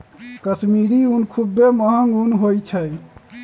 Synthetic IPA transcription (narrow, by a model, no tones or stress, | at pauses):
kəsmiɾiunkʰubːeməɦəŋɡunɦojt͡ʃʰəj